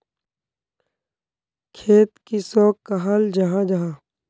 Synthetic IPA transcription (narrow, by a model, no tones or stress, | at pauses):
kʰeːt̪kisɔːkːaɦald͡ʒɐɦãd͡ʒaɦãː